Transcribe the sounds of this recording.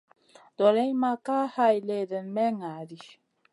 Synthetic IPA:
d̥ɔ˨ɾɛ˦ɲ˦ma˦ka˦ha˦jle˦də˨nmɛ˦ŋa˨di˦

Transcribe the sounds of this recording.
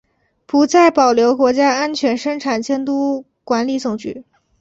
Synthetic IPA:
pu˧˥t͡sa˥˩ɪpɑ˨˩ʊljo˧˥ʊkwɔ˧˥t͡ɕja˥a˥nt͡ɕʰɥɛ˧˥nʂɤ˥ŋʈ͡ʂʰa˨˩nt͡ɕjɛ˥nt̪u˥ | kwa˧˥nli˨˧˥t͡sʊ˨˩ŋt͡ɕy̰˥˩

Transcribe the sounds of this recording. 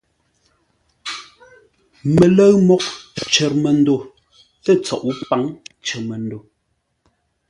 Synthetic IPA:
me˨lə˦ɰmɔ˦k̚t͡ʃɛ˨ɾmɛ˨n̩˦do˦˨ | tɛ˦t͡sɔ˨ʔu˦pa˨˦ŋt͡ʃɛ˨mɛ˨n̩˦do˨

